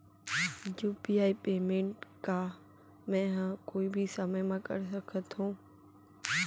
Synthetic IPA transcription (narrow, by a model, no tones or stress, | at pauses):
juːpiːaːipeːmẽːɳʈka | mɛ̃ːɦãkoːibʱisəməjmãkə̰ɾsəkʰət̪ʰũː